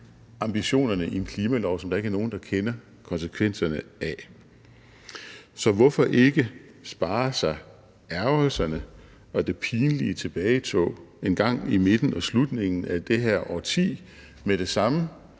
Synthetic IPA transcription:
ɑ̈mb̥iɕo̝̰ːnɐnəʔienkʰliːmælɒʊsɒmd̥ɑ̈e̝ɡɐno̝ːn̩d̥ɑ̈kʰenɐ | kʰɒ̽nsəkʰʋen̰sɐnəæ | sɒ̽ʋɒfɒ̽ʔe̝ɡ̥ə | sb̥ɑ̈ːɐsɑ̈ɪ | æɐʊlsɐnə | ɒ̽d̥e̝pʰiːnliət͡sʰe̝b̥ɛːɪt͡sʰɔ̰ːe̝nɡ̥ɑ̈ŋ̰ime̝d̥n̩ɒ̽slud̥ne̝ŋn̩æd̥e̝ɦæɐ̰ʔɒt͡sʰḭː | med̥e̝sɑ̈mə

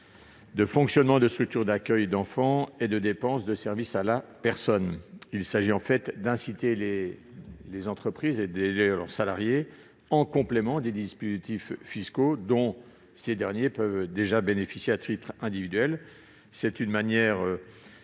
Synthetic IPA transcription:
d̪əfɔ̃ksjɔnmɑ̃d̪əst̪χyk̚t̪yʁd̪akʲœjd̪ɑ̃fɑ̃ed̪əd̪epɑ̃sd̪əsɛʁvisalapɛʁsɔnilsaʒiɑ̃fɛt̪d̪ɛ̃sit̪ele | lezɑ̃t̪χəpχiːzed̪elelœ̰ʁsalaʁje | ɑ̃kɔ̃plemɑ̃d̪ed̪ispozit̪ifːiskod̪ɔ̃ | sed̪ɛʁnjepœvd̪eʒabenefisjeat̪it̪χɛ̃d̪ivid̪yɛl | sɛt̪ynmanjɛʁø

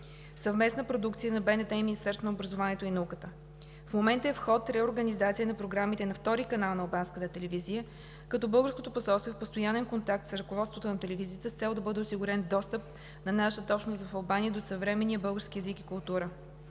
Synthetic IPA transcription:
sɐvmɛsnəpɾod̪uk̚t̪sijənɐbɛnɛt̪ɛiminist̪ɛɾsvonəobɾəzovaniɛt̪oinɐukət̪ə | fmomɛnt̪əɛfxɔt̪ɾɛoɾɡənizat̪sijənɐpɾoɡɾamit̪ɛnɐft̪ɔɾikɐnalˠnɐlˠbanskət̪ət̪ɛlɛvizijə | kɐt̪ɔbɤlˠɡəɾskot̪oposɔlˠst̪voɛfpost̪ojanɛnkont̪ak̚t̪sɾɐkovɔt̪st̪vot̪onɐt̪ɛlɛvizijət̪əst̪sɛlˠd̪ɐbɤd̪ɛosiɡuɾɛnd̪ɔst̪əp̚ | nɐnaʃət̪əɔpʃnosvɐfɐlˠbaniəd̪osəvɾɛmɛnijəbɤlˠɡəɾskiɛzikikʊlˠt̪uɾə

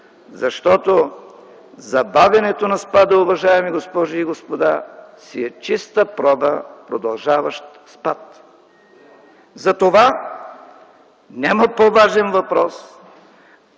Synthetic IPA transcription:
zɐʃt̪ɔt̪o | zɐbavʲɐnɛt̪onɐspad̪əʊvɐʒaɛmiɡospɔʒiiɡospod̪asiɛt͡ʃist̪əpɾɔbəpɾod̪ɐlˠʒavɐʃt̪ | spat̪ | zɐt̪ova | nʲamɐpovaʒɛnvɐpɾɔs

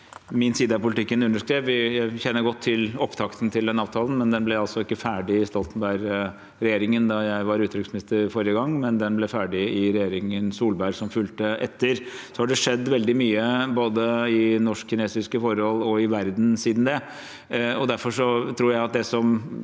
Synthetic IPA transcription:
mɪnsiːd̪əɑpʊlɪt̪ʰɪkːənʉnːəʂkɾeːʋʋɪjæɪçɛnːəɾɡɔt̪ʰːɪlɔpt̪ʰɑkt̪n̩t̪ʰɪld̪ɛnːəɑːʋt̪ʰɑːln̩mɛnd̪ɛnblɛɑlsɔɪkːəfæːɖɪɪst̪ɔlt̪n̩bæɾ | ɾɛjeːɾɪŋənd̪ɑjæɪʋɑɾʉːt̪ʰːɾʏksmɪnɪst̪əɾfɔɾjəɡɑŋːmɛnd̪ɛnblɛfæːɖɪɪɾɛjeːɾɪŋənsuːlbæɾsɔmfʉlt̪əʔɛt̪ːəɾsɔhɑɖɛʂɛd̪ːʋɛld̪ɪmyːəboːd̪əɪnɔʂkçɪneːsɪskəfɔɾhɔlːɔɪʋæɾd̪n̩siːd̪n̩d̪ɛ | ɔd̪æɾfɔʂɔt̪ʰɾuːɾjæɪɑt̪̚d̪ɛsɔm

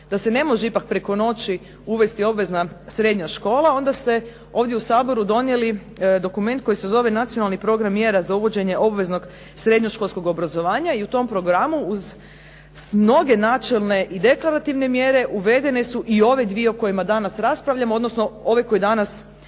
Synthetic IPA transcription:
d̪̥ase̞ne̞mo̞ʒeipak̚pɾeko̞no̞t͡ʃi | uʋe̞st̪io̞bʋe̞znasɾe̞d̪ɲaʃko̞ːlˠao̞nd̪ast̪e̞ | o̞ːʋd̪je̞usaːbo̞ɾud̪o̞nje̞li | d̪o̞kume̞nt̪̚ko̞jisezo̞ʋe̞nat̪sijo̞nalnipɾo̞ɡɾamːje̞ɾazauʋo̞d͡ʑe̞ɲe̞ʔo̞bʋe̞zno̞ɡ | sɾe̞d̪ɲo̞ʃkolˠsko̞ɡo̞bɾazo̞ʋaːɲaiut̪o̞mpɾo̞ɡɾamuːz | mno̞ɡe̞naːt͡ʃelˠne̞ʔid̪e̞klˠaɾat̪iʋne̞mje̞ɾe̞ʔuʋe̞d̪ene̞suʔio̞ʋe̞d̪ʋieoko̞jimad̪anasɾaspɾaʋʎʲamoo̞d̪no̞snoo̞ʋe̞ko̞jid̪anas

